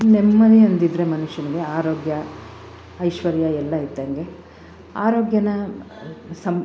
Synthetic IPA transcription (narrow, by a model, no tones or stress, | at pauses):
nemːɐd̪iɐnd̪id̪ɾe̞mɐnuʃjɐniɡeaːɾoːɡjɐ | ɐjʃʋɐɾjɐɛlːɐɦit̪ːɐŋɡe̞ | aːɾoːɡjɐnɐ | sɐm